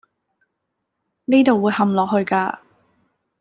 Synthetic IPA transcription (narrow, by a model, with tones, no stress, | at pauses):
niː˥t̪o˨wːuː˨˧jhɐ˨mlɔː˨k̚ɦɵ˧ɥkaː˧